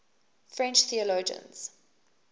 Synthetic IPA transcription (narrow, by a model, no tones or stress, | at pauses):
fɹɛ̃nt͡ʃθiəloːd͡ʒə̰̃nz̥